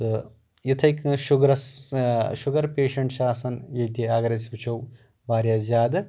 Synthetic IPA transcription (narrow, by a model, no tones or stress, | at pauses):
ɨ | it̪ʰɐjkʃuɡɾɐs | ʃuɡɐɾpeːʃɐɳʈʃaːsɐnjɐjt̪iaːɡɐɾɐsʋit͡ʃʰɐw | ʋaːɾjazʲjaːd̪ɨ